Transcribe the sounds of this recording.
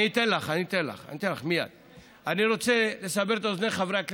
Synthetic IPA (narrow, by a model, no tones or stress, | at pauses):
iːt̪enlaχanit̪enla̰χa̰nit̪enla̰χmija̰d̪̥ | aniʁo̞t͡se̞le̞sabeʁt̪aozneχavʁeakl